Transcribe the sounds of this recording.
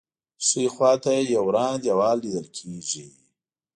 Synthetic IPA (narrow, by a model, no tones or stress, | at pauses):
suixwɑːt̪ajawɾɑːnd̪jawɑːlːid̪əlkʰeʒi